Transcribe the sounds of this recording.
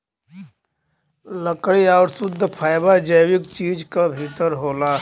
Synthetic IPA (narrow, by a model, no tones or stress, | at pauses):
ləkɽiaːɾsʊd̪ʱːpʰaːɪbad͡ʒəjwɪkt͡ʃiːd͡ʒkabʱiːt̪əɾɦoːlaː